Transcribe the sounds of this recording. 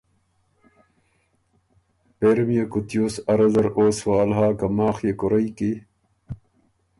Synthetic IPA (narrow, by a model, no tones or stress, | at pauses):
peːɾmijɐkut̪ijoːsɐɾɐzɐɾoːswaːlɦaːkɐmaːxjekuɾɐiki